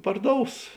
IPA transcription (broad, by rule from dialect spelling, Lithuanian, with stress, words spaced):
pɐrˈdoːʊs